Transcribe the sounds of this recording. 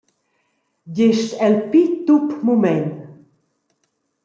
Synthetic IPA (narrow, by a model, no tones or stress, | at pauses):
jeʃtɛlpit̪upmumɛn